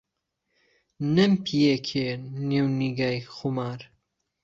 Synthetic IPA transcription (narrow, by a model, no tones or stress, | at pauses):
nɨmpʰijekʰeniwniɡajxumaɾ